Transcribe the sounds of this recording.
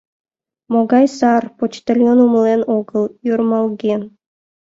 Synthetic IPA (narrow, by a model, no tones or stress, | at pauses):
moɡɑjsɑrpot͡ʃt̪elʲjonumlˠenoɡəlˠjuɾmɑlˠɡʲen